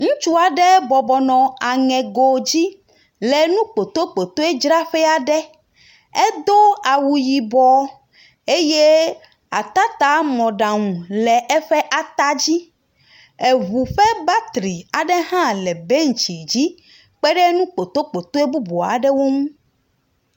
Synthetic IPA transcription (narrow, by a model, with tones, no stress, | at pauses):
ŋũ˦t͡ʃu˦a˨ɖɛ˦bɔ˨bɔ˨nɔ̃˨a˨ŋɛ̃˨ɡo˨d͡ʑi˦ | lɛ˨nũ˦k͡po˨t̪o˦k͡po˨t̪o˦e˦d͡ʒɾa˦ɸɛ˦a˨ɖɛ˦ | e˦d̪o˦a˨wu˨ji˨bɔ˨ | e˦je˦ | a̰˨t̪a˦t̪a˦mɔ̃˨ɖa˨ŋũ˨lɛ˨ʔɛ˦ɸɛ˦ʔa˨t̪a˦d͡ʑi˦ | e˨βu˨ɸɛ˦ba˦t̪ɾi˨a˨ɖɛ˦ɦã˦lɛ˨be˦ŋ̩˨t͡ʃi˨d͡ʑi˦ | k͡pɛ˦ɖɛ˦nũ˦k͡po˨t̪o˦k͡po˨t̪o˦e˦bu˦bo˨a̰˨ɖɛ˦wo˦ŋũ˦